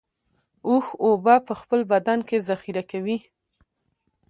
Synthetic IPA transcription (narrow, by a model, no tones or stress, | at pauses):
uxobapəxpəlbad̪ankezaxiɾakawi